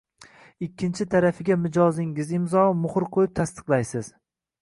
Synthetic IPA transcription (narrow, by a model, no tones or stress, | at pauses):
ɪkʲʰːɪnt͡ʃʰɪt̪ʰaɾafɪɡʲamɪd͡ʒɒzɪŋɪzɪmzɒmʊχʊɾqʰojɪp̚t̪ʰast̪ʰɨ̥qlˠajsɪz̥